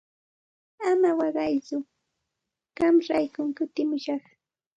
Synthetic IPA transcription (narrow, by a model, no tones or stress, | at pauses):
amawɑɢɑjt͡sʊ | ɢ̥ɑmɾajkʊŋkʊt̪ɪmʊʃɑχ